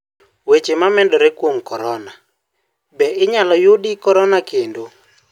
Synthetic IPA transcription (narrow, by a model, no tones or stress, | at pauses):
wet͡ʃemamɛndɔɾekwoŋkɔɾɔna | bɛʔɪɲalɔjʊdikɔɾɔnakendo